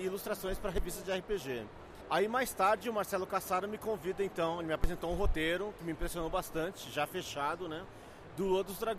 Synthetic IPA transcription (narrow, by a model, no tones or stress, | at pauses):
ilust̪ɾasõj̃spɾɐɦevist̪ɐd͡ʒɪɛhɪpeʒe | aimajst̪aɾd͡ʒɪʊmaɾsɛlʊkasaɾʊmɪkõvid̪ɐẽnt̪ɐ̃w̃elɪmɪapɾezẽnt̪owũɦot̪eɾʊkɪmɪ̃ĩpɾesiõnowbast̪ɐ̃t͡ʃɪʒafeʃad̪ʊnɛ | d̪ulod̪ʊzd̪ɾa